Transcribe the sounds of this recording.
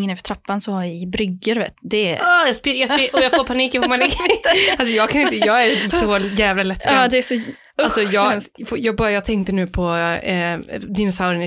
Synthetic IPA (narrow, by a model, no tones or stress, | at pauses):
ŋːənɛfə̥ʈʰɾapːansɔhajɪɪbɾʏɡːəɾvḛːt̪ːd̪ɛɑjɑspɪɾjɑsiɔjɑfoːɾpʰaniːkːjafɔːmanlɛɡːamɪals̬ɔjɑːɡkʰanɪnt̪əjɑːɡæɾsɔjæːvlalɛt̪ːd̪ɛæsɔ | alsɔjɑːɡfjɑːɡ̚bɑːɾajɑːɡt̪ʰɛŋt̪əɳʉ̟ːpʰɔ | d̪ɪnʊsaʊɾɪnɪ